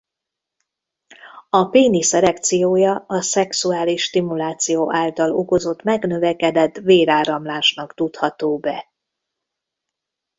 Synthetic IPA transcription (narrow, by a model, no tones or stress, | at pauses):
ɒpeːnisɛlɛkt̪sijoːjɒɒsɛksuaːliʃːt̪imulaːt̪sijoːʔaːlt̪ɒloko̞zo̞t̪mɛɡnø̞vɛkɛd̪ɛt̪ːveːɾaːɾɒmlaːʃnɒkt̪ut̪hɒt̪oːbɛ